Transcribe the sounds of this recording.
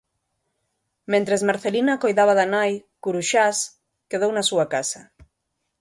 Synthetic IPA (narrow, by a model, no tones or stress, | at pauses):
mẽnt̪ɾezmaɾθelinakojðaβ̞aðanajkuɾuʃas | keð̞ownasuakasa